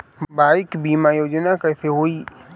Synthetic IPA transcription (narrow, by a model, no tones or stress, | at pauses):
baːɪkbiːmajoːd͡ʒnakɛːseɦoːiː